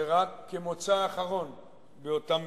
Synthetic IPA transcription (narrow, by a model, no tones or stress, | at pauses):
eʁakːemot͡saːχaʁo̞n | beotam